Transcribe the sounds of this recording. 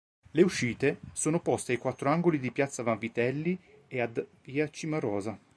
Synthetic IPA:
leuʃːiːt̪esoːnopɔst̪eajkwat̪ːɾoaŋɡolid̪ipjat̪sːavaɱvit̪ɛlːiead̪piːat͡ʃimaɾɔːza

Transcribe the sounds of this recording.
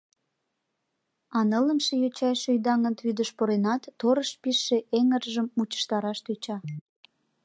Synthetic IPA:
ɑnələmʃejot͡ɕɑjʃøjd̪ɑŋə̆nt̪βyd̪əʃpoɾenɑt̪ːoɾəʃpiʃːeʔeŋərʒəmːut͡ɕə̥ʃt̪ɑɾɑʃt̪øt͡ɕɑ

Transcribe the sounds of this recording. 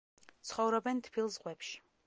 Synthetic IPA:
t̪sʰχɔvɾɔbɛnt̪ʰpʰilˠzʁwɛpʃi̥

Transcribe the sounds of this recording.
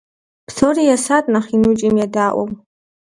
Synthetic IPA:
pʰsorijasatʼnaχinut͡ʃʼimjadaːʔʷa̰m

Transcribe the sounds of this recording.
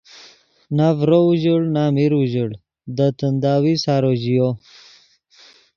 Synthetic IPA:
navɾouʑəɽnamiɾuʑəɽ | d̪ət̪ənd̪aːwisaːɾoʑijo

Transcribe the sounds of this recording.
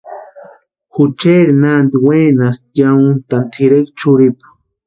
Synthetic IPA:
xut͡ʃeɾinand̪iweːnasjaunt̪ant̪ʰiɾekt͡ʃuɾipḁ

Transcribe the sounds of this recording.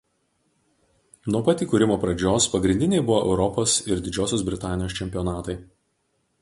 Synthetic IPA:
nuɔpɐt̪ʲiːkuːɾʲɪmoːpɾɐd͡ʒʲoːspɐɡɾʲɪnʲd̪ʲɪnʲɛɪbʊʋoːʔɛ̰ʊɾɔpoːsɪɾd̪ʲɪd͡ʒʲoːsʲoːs̬bʲɾʲɪt̪ɑːnʲɪjoːst͡ʃʲɛmʲpʲɪjɔnɑːt̪ɐɪ

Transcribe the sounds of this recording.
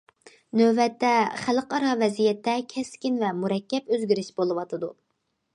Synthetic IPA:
nøbɛt̪ʰːɛχælqɑɾɑvɛzijɛt̪ʰːɛkʲʰɛskʲinvɛmuɾɛkʲːɛpøzɡʲyɾiʃbolˠɨwɑt̪ʰɨd̪u

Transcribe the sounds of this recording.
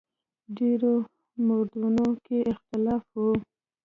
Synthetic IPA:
ɖeɾo | moɾd̪unokeɪxt̪ɪlɑfwu

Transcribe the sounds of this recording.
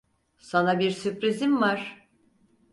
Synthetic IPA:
sanabiɾsypɾizimvaɾ̥

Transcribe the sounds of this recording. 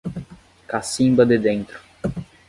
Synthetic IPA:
kasĩmbɐd̪ɪd̪ẽnt̪ɾʊ̥

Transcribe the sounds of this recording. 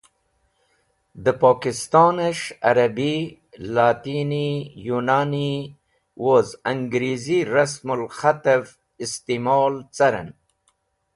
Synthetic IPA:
d̪əpɑːkɪst̪ɑnaʃa̰ɾabi | lɑːt̪inijunɑni | wozaŋɡɾiziɾasmʊlxat̪av | ɪst̪imɑːlt͡saɾa̰n

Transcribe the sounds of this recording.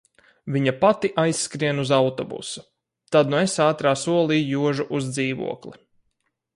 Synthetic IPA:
vʲiɲapat̪iʔajsːkɾiɛnuzawt̪ɔbṵsu̥ | t̪ad̪nuesaːt̪ɾaːsuɔlˠiːjuɔʒuʔuzd̪ziːʋṵɔklˠi

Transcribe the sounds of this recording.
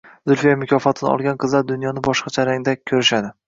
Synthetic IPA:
z̥ʊɾfijamʊkʲʰɒfɒt̪ʰɪnɪɒ̰lˠɡʲanqʰɨzlaɾd̪ʊnjɒnɪbɒʃqɑt͡ʃʰaɾaŋd̪akʲʰɵɾɪʃad̪ɪ

